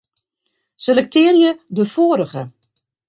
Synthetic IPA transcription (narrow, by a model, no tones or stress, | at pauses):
selɛk̚tʰɪːrjədəfoːəɾəɣə